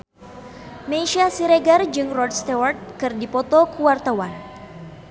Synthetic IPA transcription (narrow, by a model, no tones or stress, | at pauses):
meʃiasiɾeɡard͡ʒɨŋrɔd̚st̪award̪̚kɨrdipɔt̪ɔkuwart̪awan